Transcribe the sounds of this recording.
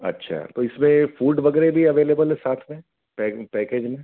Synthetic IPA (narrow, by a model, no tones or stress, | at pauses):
ɐ̰tːʃʰa̰t̪oɪsmẽfuːɖʋɐɡɛːɾebʱiɐʋeːleːbəlɦɛsaːt̪ʰmẽ | pɛpɛːkeːd͡ʒmẽ